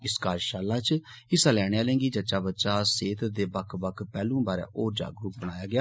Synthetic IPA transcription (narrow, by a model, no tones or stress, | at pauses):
ɪskaːɾʃaːlaːt͡ʃ | ɪsaːlɛːɽeaːlẽːɡiːd͡ʒət͡ʃaːbətːʃaːseːt̪d̪eːbəkʰbəkʰpɛːlũːbaːɾɛ̰̃ːʔoːɾd͡ʒa̰ːɡɾupbəɽ̃aːjaːɡɪjaː